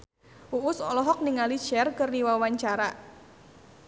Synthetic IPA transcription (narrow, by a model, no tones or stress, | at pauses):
ʔuʔʊsɔ̰lɔɦɔk̚niŋali̥t͡ʃɛrkɨrniwawaɲt͡ʃaɾa